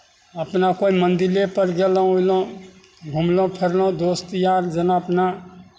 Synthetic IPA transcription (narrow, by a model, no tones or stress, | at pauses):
əpnakoimənd̪ilepəɾɡelõoilõ | ɡʱumlõpʰeɾlõd̪oːst̪jaɾd͡ʒənaəpna